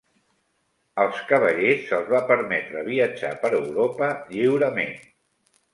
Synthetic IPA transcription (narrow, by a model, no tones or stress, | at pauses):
əlˠskəβ̞əʎesəlˠzβapəɾmɛt̪ɾəβ̞iəd͡ʒa̰pəɾəwɾopəʎiwɾəmen